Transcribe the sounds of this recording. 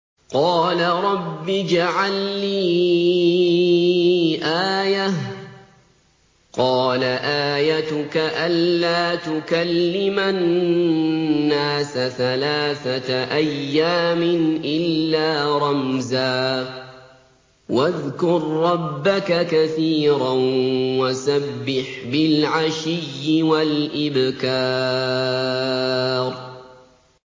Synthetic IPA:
qɑːlaɾˤɑbːid͡ʒaʕalːiː | ʔaːjah | qɑːlaʔaːjat̪ʊkaʔalːaːt̪ʊkalːɪman | aːsaθalaːθatʔajːaːmɪnʔɪlːaːɾˤɑmzaː | waðkʊɾˤːɑbːakakaθiːɾanwasabːɪħbɪlʕaʃɪjːɪwalʔɪbkɑː | ɾ

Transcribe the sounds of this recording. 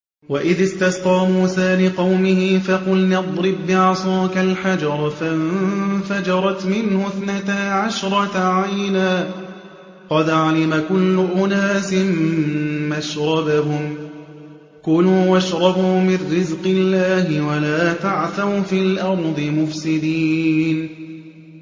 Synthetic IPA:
waʔɪðɪst̪ɑst̪ˤɑːmuːsaːlɪqɑwmɪhɪfaqʊlnɪd̪ˤɾɪbːɪʕɑsˤɑːkalħad͡ʒɑɾˤɑfamfad͡ʒɑɾˤɑt̪mɪnhʊθnat̪aʕaʃɾˤɑt̪aʕajnaː | qɑd̪ʕalɪmakʊlːʊʔʊnaːsɪmː | aʃɾˤɑbaɦʊm | kʊluːwaʃɾˤɑbuːmɪrːɪzqɪlːaːɦɪwalaːt̪aʕθaɾfiːlʔɑɾˤd̪ˤɨmʊfsɪd̪iːn

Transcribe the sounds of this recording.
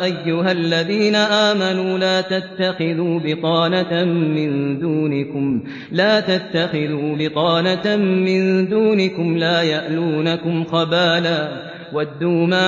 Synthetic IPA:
ʔajːʊɦalːaðiːnaʔaːmanuːlaːt̪at̪ːaxɪðuːbɪq̪ɑːnamɪnd̪uːnɪkʊm | laːt̪at̪ːaxɪðuːbɪq̪ˤɑːnamɪnd̪uːnɪkʊmlaːjaʔluːnakʊmxɑbaːlaː | wad̪ːuːma

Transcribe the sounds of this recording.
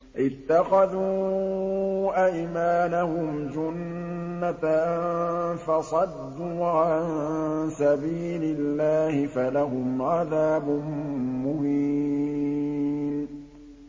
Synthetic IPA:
ʔɪt̪ːaxaðuː | ʔajmaːnahʊmd͡ʒʊnːa | fɑsˤɑd̪ːuːʕaansabiːlɪlːaːhɪfalaɦʊmʕaðaːbʊnmʊbiː | n

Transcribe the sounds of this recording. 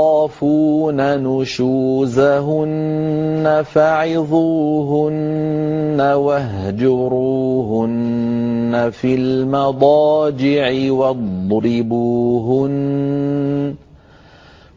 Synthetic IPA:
ɑːfuːnanʊʃuːzaɦʊnː | afaʕɪðˤuːɦʊnː | awaɦd͡ʒʊɾuːɦʊnː | afilmɑd̪ˤɑːd͡ʒɪʕɪwɑd̪ˤɾɪbuːɦʊn

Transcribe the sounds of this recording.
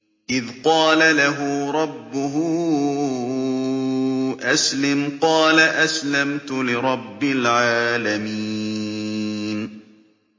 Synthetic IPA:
ʔɪðqɑːlalaɦʊɾˤɑbːʊɦʊ | ʔaslɪmqɑːlaʔaslamt̪ʊlɪɾˤɑbːɪlʕaːlamiː | n

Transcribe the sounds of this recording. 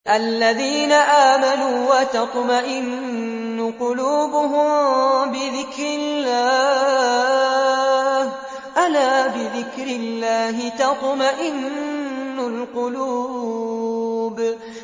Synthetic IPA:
ʔalːaðiːnaʔaːmanuːwat̪ɑt̪ˤmaʔɪnː | ʊqʊluːbʊɦʊmbɪðɪkɾɪllːaː | h | ʔalaːbɪðɪkɾɪlːaːɦɪt̪ɑt̪ˤmaʔɪnː | ʊlqʊluː | b

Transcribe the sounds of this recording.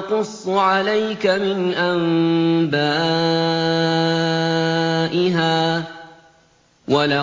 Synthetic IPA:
qʊsˤːʕalajkamɪnʔambaː | ʔɪɦaː | wala

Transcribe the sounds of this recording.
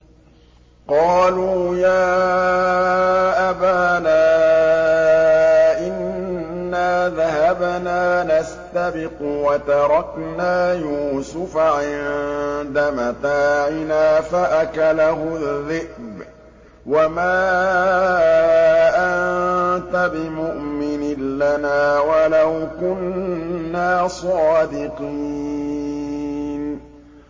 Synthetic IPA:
qɑːluːjaː | ʔabaːnaː | ʔɪnː | aːðaɦabnaːnast̪abɪqʊwat̪ɑɾˤɑknaːjuːsʊfaʕɪnd̪amat̪aːʕɪnaːfaʔakalaɦʊðːɪʔb | wamaː | ʔannt̪abɪmʊʔmɪnɪnlanaːwalawkʊnː | aːsˤɑːd̪ɪqiː | n

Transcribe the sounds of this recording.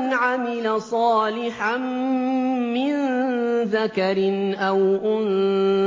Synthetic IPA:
nʕamɪlasˤɑːlɪħan | mɪnðakaɾɪnʔawʔʊn

